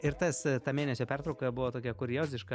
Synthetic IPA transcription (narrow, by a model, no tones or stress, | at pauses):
ɪɾt̪ɐst̪ɑːmʲeːnʲɛsʲoːpʲært̪ɾɐʊkɐbʊʋoːt̪oːkʲɛkʊɾʲjoːzʲɪʃkɐ